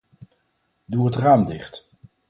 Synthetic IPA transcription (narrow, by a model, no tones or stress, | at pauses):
duɦətraːmdɪχt